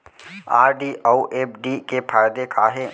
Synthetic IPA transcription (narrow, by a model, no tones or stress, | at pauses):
aːɾɖiːʔouʔeːp̚ɖiːkepʰaːjd̪ekʰaːɦe